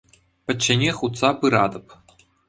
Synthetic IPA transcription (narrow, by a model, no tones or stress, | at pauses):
pʲɘ̆t͡ɕːɘ̆nʲeχut̪sɑpɯɾɑd̪ɤ̆p